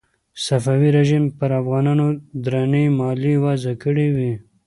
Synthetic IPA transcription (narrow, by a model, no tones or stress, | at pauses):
safawiɾeʒimpəɾafɣɑnɑnod̪ɾanemɑliwazakəɽiwi